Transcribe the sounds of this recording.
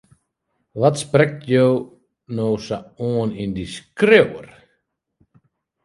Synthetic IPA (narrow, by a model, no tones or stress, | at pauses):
vat̪spɾɛk̚t̪jœw | nowsaɔnind̪iskɾewə̰ɾ̥